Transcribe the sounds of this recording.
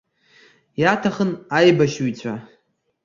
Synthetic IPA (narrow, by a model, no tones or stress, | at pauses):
jatʰaχənajbaʃwit͡sʷʰʼa